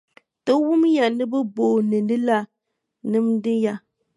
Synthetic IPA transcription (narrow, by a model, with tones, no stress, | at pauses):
tɨ˦wʊ˦mja˨nɨ˦bɨ˦bo˨nɨ˨nɨ˦la˦ | nɨ˦mdɪ˦ja˦